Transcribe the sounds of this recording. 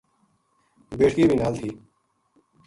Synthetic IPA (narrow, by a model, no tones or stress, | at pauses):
beːʈʰkiːbʱiːnaːlt̪ʰiː